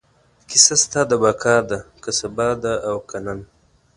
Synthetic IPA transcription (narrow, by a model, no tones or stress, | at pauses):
kɪsast̪ad̪əbakʰɑːɾd̪akasɐbad̪aʔːwkanan